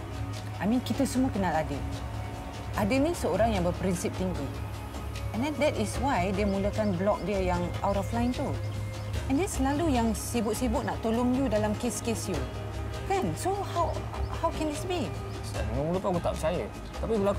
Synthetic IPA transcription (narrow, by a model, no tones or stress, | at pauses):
ʔajmĩnkit̪əsumuakənaladɪl | ʔadɪnisəoɾaŋjãŋbəpɾinsip̚t̪iŋki | ɛ̃ndɛ̃ndɛtiswajdəmuləkanblɔk̚diəjaŋawtɔflãj̃nt̪u | ɛ̃ndəsəlalujaŋsibʊt̪̚sibʊʔ̚naʔt̪oloŋjudalamkeskesju | kãnsohaw | hawkɛ̃ndisbi | saaŋəmuləpaɡut̪a̰pət͡ʃajə | t̪apiɡəla